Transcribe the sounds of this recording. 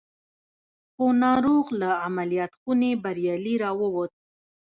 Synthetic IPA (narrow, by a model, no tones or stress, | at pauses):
xonɑɾuɣlaamalijat̪xunebaɾjɑliɾɑwəwət̪̚